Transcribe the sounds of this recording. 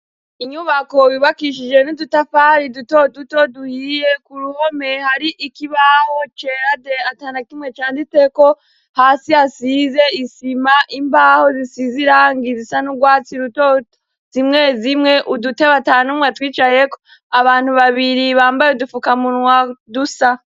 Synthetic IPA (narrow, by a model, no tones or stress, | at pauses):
iɲuβako̞jiβakiʃ̬id͡ʒe̞nidutafaɾidutodutoduhijekuɾuhome̞haɾiʔikiβaho̞t͡ʃeɾadeataːnakimŋe̞t͡ʃaːnditeko̞ | haːsihasize̞isimaʔimbaho̞zisiziɾaːŋɡizisanuɡwaːt͡siɾuto | zimŋezimŋe̞ʔuduteβataːnumwatwiːt͡ʃaje̞ko | aβaːn̥huβaβiɾiβaːmbajeudufukamunŋwadusa